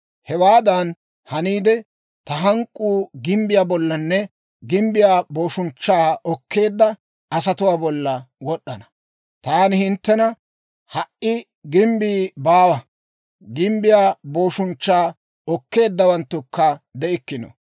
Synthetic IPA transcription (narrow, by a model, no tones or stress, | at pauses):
hɛwaːd̪ɐn | hɐniːd̪ɛ | t̪ɐɦɐŋkʼːuːɡɪmbɪjaːbɔlːɐnːɛ | ɡɪmbɪjaːbo̞ːʃʊnt͡ʃːaːɔkʰːe̞ːd̪ːɐ | ɐs̬ɐt̪ʊwaːbɔlːɐwɔɗːɐnɐ̥ | t̪aːnɪhɪnt̪ːɛnɐ | hɐʔʔɪ | ɡɪmbiːbaːwɐ | ɡɪmbɪjaːbo̞ːʃʊnt͡ʃːaː | ɔkːe̞ːd̪ːɐwɐnt̪ːʊkːɐd̪ɛʔɪkːɪnɔ̰